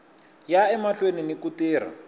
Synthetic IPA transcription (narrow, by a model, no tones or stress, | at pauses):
jaɛmaɬweninikutiːr̤a̰